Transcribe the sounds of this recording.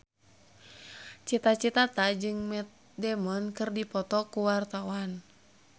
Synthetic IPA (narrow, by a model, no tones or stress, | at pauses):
t͡ʃit̪at͡ʃit̪at̪ad͡ʒɨŋmɛt̪̚ | dɛmɔnkɨrdipɔt̪ɔkuwart̪awan